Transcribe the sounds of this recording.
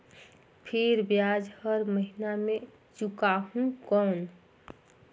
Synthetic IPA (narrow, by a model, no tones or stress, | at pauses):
pʰeɾbjad͡ʒhəɾməɦiname | t͡ʃukaɦũkɔn